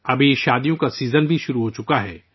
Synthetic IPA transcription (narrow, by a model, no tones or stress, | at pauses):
ɐbʱiʃaːd̪ijõkasiːzənbʱiʃʊɾuɦot͡ʃʊkaɦɛː